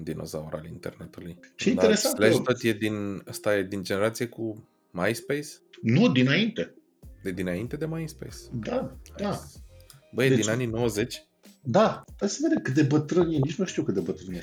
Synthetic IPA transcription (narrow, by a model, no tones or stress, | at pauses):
nd̪ino̞̰zauɾa̰lint̪e̞̰rnet̪ulujʃieineɾesantleʃt̪ot̪jed̪inəst̪ajed̪ind͡ʒe̞neɾat̪sijeku | majspejsnud̪inaint̪e | d̪ed̪inaint̪e̞d̪e̞majispḛjsd̪aad̪a | bəjd̪dinanino̞wəze̞t͡ʃʲ | d̪aesəved̪ekɨt̪d̪ebət̪ɾɨnjenit͡ʃmuʃt̪iuwkɨt̪d̪ebət̪ɾɨnje